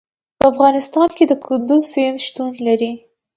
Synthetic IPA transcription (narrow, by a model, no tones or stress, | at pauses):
pəafɣɑnɪst̪ɑnked̪əkʰʊnd̪uzsenʃt̪unlaɾi